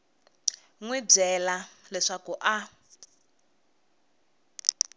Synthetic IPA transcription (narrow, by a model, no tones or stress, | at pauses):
ŋwib͡ʐɛlalɛʂakuʔa